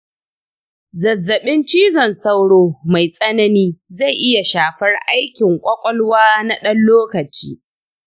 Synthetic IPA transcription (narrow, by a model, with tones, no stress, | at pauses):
zɐ˨zːɐ˨ɓɪ˦nt͡ʃiː˦zɐ˨nsɐ˦wɽoː˦ma˨jsʼɐ˦nɐ˦niː˦za˦˨jʔɪ˦ja˨ʃaː˨ɸɐ˦rʔa˦jkʲɪ˨ŋkʷʼɐ˦kʷʼɔ˦lwaː˦na˦ɗɐ˦nloː˦kɐ˨t͡ʃḭː˦